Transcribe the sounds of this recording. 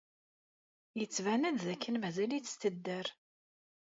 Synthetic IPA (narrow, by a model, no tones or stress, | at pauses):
jət͡sːvænəd̪ðækʰːənmæzæliθst̪əd̪ːəɾ